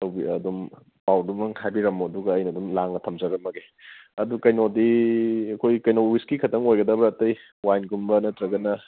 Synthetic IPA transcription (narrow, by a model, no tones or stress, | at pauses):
tɐwbiɐ̰dum | pawdumɐŋhʰajbiɾɐmoɐduɡɐɐjnɐdumlaŋnɐtʰɐmzɐɾɐmːɐɡe | ɐdukɐjnodiɐkʰojkɐjnowiskikʰɐtɐŋojɡɐdɐbɐɾɐtɐj | wajnɡumbɐnɐtɾɐɡɐnɐ